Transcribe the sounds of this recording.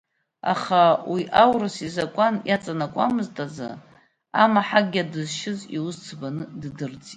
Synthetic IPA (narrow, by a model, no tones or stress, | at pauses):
a̰χawiʔawrɨsizakʷʼanjat͡sʼanakʷʼa̰mɨztʼad͡za̰ | amaħaɡʲadɨzʃɪziwʊzt͡sʰbanɨddɨrt͡sʼitʼ